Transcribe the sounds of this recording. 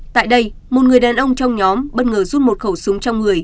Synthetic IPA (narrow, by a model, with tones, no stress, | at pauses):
t̪a̰ː˧˨jɗə˧j | mo˨˩t̚ŋɨ˨˩əjɗaː˨˩nʔə˧wŋ͡mt͡ɕɔ˧wŋ͡mɲɔ˨˦mɓə˦˧t̚ŋəː˧˩zu˦˥t̚mo˨˩t̚xə˧˩wsɨ˨˦ŋ͡mt͡ɕɔ˧wŋ͡mŋɨ˨˩əj